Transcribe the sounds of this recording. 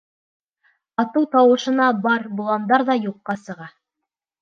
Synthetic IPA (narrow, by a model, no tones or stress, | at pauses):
ɑt̪ɤwt̪ɑwɤ̆ʃɤ̆nɑbɑɾbulˠɑnd̪ɑɾðɑjuqːɑsɤ̆ʁɑ